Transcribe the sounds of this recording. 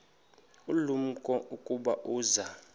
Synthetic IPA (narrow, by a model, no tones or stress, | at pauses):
ulum̩kʼɔʔukʼuɓaʔuːza